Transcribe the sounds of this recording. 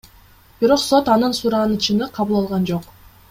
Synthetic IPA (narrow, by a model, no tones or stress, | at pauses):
b̥iɾo̞qso̞t̪ɑnɯnsuɾɑʁɑnɯt͡ʃɯnɯqʰɑβulˠɑlˠʁɑnd͡ʒo̞q